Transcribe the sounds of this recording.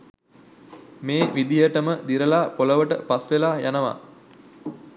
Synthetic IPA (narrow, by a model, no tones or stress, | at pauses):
meːʋid̪ijəʈəməd̪iɾəlaːpoləʋəʈə̰pasʋelaːjanəʋa̰